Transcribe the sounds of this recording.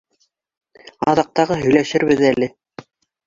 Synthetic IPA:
ɑ̰ðɑq̚t̪ɑʁɤɦɵ̆jlæʃɘɾβɘðælɘ

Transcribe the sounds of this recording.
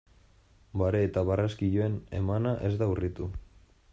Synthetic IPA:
baɾeːt̪aβaraskiʎoe̞ne̞̰manaʔe̞zd̪aurit̪u

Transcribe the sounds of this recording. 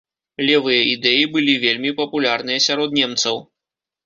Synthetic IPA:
lʲɛvɨjɐid̪ɛjibɨlʲivʲelʲmʲipɐpulʲarnɨjɐsʲaɾɔd̪nʲɛmt̪sɐw

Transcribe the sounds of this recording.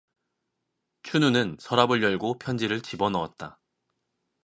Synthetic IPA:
t͡ɕʰununɯnsʰʌɾabɯɭjʌɭɡopʰjʌnd͡ʑiɾɯɭt͡ɕibʌnʌa̰t̚t͈a

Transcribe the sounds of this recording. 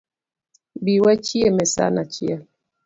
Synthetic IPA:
biwɛt͡ʃiemɛsa̰nat͡ʃia

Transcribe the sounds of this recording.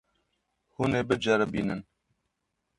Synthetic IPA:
huneːbɨd͡ʒɐɾɛbḭːnɨn

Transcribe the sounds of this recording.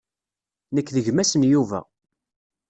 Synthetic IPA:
nəkːðəʝmæsənjuvæ̰

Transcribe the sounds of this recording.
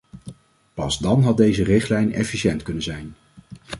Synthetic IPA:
pɑzdɑnɦɑt̚dejzərɪχtlɛjnɛ̰fiʃɛntkɵnənzɛjn

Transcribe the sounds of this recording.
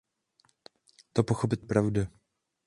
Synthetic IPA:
t̪opoxop̬ɪt̪̚pɾavda

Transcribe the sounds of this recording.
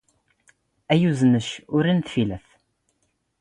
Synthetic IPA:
æjuznəʃʊɾinθfilæθ

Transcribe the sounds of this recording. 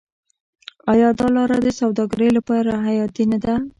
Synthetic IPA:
ɑjɑd̪ɑlɑɾad̪əsawd̪ɑɡaɾəjlapɑɾaɦajɑt̪inad̪a

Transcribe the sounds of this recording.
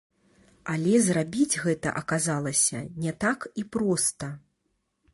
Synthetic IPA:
alʲɛzrabʲid͡zʲɣɛt̪ɐ̰ʔɐkazalˠɐsʲɐ̰nʲɛt̪akipɾɔst̪ɐ

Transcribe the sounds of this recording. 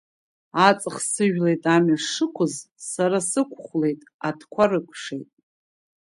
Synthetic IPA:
at͡sʼɨχsɨʒᶣlejtʼamaʂɨkʷʰʊz | saɾasɨkʷʰχʷle̞jtʼadʰkʷʰarɨkʷʰʂḛjtʼ

